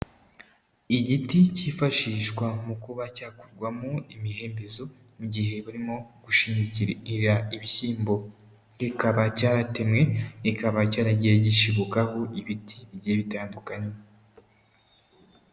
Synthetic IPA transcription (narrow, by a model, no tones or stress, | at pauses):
iɟiticiːfaʃiːʃkwamukuβacaːku̥ɾɡwamoimihe̞ːmbezo̞ | muɟiɦe̞βaɾimo̞ɡ̥uʃiːɲiciɾeiɾiɾaiβisiːmbo̞ | ikaβacaːɾate̞mŋe̞ikaβacaːɾaɟieɟiʃiβokaho̞ʔiβitʰiβiɟeβitaːndukaɲe